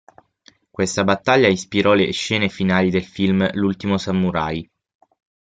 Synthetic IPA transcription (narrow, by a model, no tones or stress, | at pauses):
kwest̪abat̪ːaʎːaispiɾɔleʃːɛːnefinaːlid̪elfilmlult̪imosamːuɾa̰j